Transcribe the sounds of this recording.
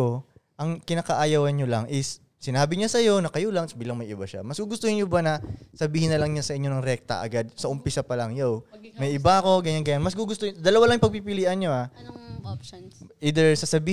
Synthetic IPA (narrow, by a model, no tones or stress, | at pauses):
oʔɐŋkɪnakɐʔaːjɐwɐnɲolɐŋʔɪsː | ɪnaːbɪɲasɐjo̞nɐkɐjolɐŋsbiːlɐŋmɐjɪbaʃa̰mɐsɡuɡʊst̪ohɪnɲobanɐsɐbiːhɪnːɐlɐŋɲasɐʔɪɲo̞nɐŋɾɛk̚t̪ɐ̰ʔɐ̰ɡad̪̚sɐʔʊmpɪsapɐlɐŋjowmɐjʔɪbaɐko̞ɡɐɲanɡɐɲanmɐsɡuɡʊst̪od̪ɐlɐwalɐŋjɪpɐɡ̚pipɪliːʔɐnɲo̞ʔa | ʔiːd̪ɛɹsɐsɐbiː